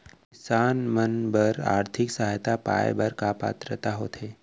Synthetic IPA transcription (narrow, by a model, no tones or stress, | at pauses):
kɪsaːnmənbəɾa̰ːɾt̪ʰɪksaɦaːjt̪apa̰ːj̰bəɾkapa̰ːt̪ɾət̪aɦoːt̪ʰeː